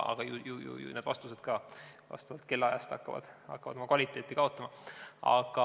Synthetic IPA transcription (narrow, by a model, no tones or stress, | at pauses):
ʔɑ̰ɡ̥ɑjujujṵj̰ned̪̥vɑ̰st̪use̞d̪̥kɑːvɑ̰st̪ɑvɑt̪ke̞lːɑjɑ̰st̪ɑ̰kːɑvɑ̰d̪̥ɑ̰kːɑvɑ̰d̪omɑkvɑlʲit̪ːˑe̞ːt̪ːˑikɑo̞t̪ːˑɑmɑɑ̰ɡ̥ɑ